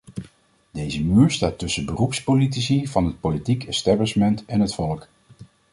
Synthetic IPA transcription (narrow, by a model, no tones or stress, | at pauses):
dejzəmyːɹstaːtɵsəbərupspolit̬isivɑnɦət̚politikɛstɛblɪʃmɛntɛnɦətfɔlək